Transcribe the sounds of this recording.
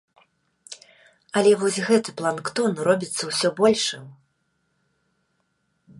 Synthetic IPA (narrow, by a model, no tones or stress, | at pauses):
ɐlʲɛvɔsʲɣɛt̪ɨplˠankt̪ɔnrɔbʲit̪sːɐwsʲɔbɔlʲʂɨm